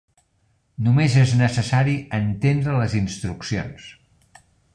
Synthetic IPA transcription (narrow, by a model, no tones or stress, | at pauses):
numezeznəsəsaɾiənt̪end̪ɾələzinst̪ɾuksio̰ns